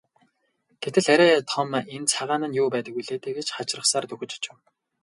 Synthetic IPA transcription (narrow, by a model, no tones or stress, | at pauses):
ɡ̥et̪ɘ̆ɮæɾʲæːt̪ʰɔment͡sʰaʁaːnə̆njuːpæːt̪ə̆kujɮeːt̪eːɡet͡ɕχat͡ɕrə̆χsaːrt̪ɵxɵ̆t͡ɕt͡ɕɪ̆w